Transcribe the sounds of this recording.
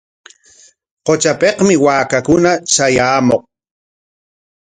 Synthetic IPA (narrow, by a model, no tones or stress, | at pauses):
qot͡ʃapeqmɪwaːkakʊnat͡ʃajaːmoq̚